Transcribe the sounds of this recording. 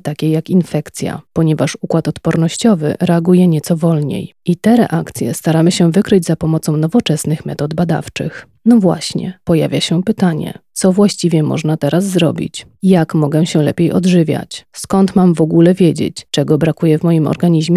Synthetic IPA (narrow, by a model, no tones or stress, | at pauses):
t̪akʲejakinfɛkt̪sʲja̰pɔɲɛvaʂukwat̪ɔt̪pɔɾnɔɕt͡ɕɔvɘ̰ɾɛaɡujɛɲɛt̪sɔvɔlɲḛjʔit̪ɛɾɛ̰ʔakt̪sʲjɛ̰st̪aɾamɘɕɛvɘkɾɘd͡ʑzapɔmɔt̪sɔ̃w̃nɔvɔt͡ʂɛsnɘxmɛ̰t̪ɔd̪bad̪a̰ft͡ʂɘx | nɔvwa̰ɕɲɛ̰pɔja̰vʲjaɕɛpɘt̪aɲɛ̰t̪sɔvwaɕt͡ɕivʲjɛmɔ̰ʐnat̪ɛɾazːɾɔbʲḭt͡ɕ | jakmɔɡɛɕɛlɛ̰pʲjejʔɔ̰d̪ʐɘvʲja̰t͡ɕskɔnt̪mamvɔɡulɛvʲjed͡ʑḛt͡ɕt͡ʂɛɡɔbɾakujɛvmɔjimɔ̰ɾɡaɲiʑmʲɛ